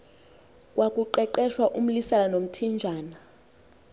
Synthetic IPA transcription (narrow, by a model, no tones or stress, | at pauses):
kʼwʔakʼuǃɛǃɛʃwaʔum̩lisalanom̩tʰind͡ʒʱaːna